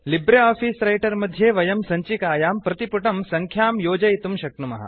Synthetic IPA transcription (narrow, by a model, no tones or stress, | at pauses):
libɾɐaːfiːsɾɐjʈɐɾmɐd̪ʱːjeːʋɐjɐmsɐɲt͡ʃikaːjaːmpɾɐt̪ipuʈɐmsɐŋkʰjaːmjoːd͡ʒɐjit̪umʃɐk̚numɐ̰ɦɐ̰